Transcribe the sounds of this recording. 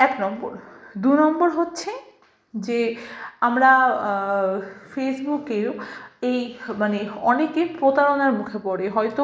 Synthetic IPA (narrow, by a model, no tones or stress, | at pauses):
ɛknɔmbo̰ɾd̪unɔmboɾɦotːɕʰe | d͡ʑeamɾa | fesbukeɾejmaneɔnekepɾot̪aɾonaɾmukʰepɔɽeɦɔjt̪o